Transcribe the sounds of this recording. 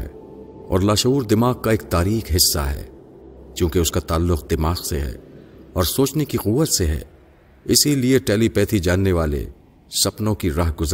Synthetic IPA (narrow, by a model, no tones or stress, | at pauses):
ɛ̰ | ɔ̰ːɾlaːʃɐɦuːɾd̪ɪmaːɣ̚kaeːk̚t̪aːɾiːxɦɪsːa̰ɦɛ̰ːkjũːkeʊskat̪aːlːʊqd̪ɪmaːɣseɦɛ̰ːɔːɾsoːt͡ʃnekiɣʊːʋːət̪seɦɛ̰ː | ɪsilieʈɛːlipɛːt̪ʰid͡ʒaːnːeʋaːlḛ | sɐpnõkiɾaːɦɡʊz